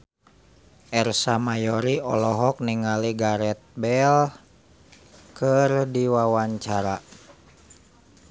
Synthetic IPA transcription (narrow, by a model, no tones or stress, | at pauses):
ʔɛrsamajɔɾiɔlɔɦɔk̚niŋaliɡaɾɛt̪̚bɛl | kərdiwawaɲt͡ʃaɾa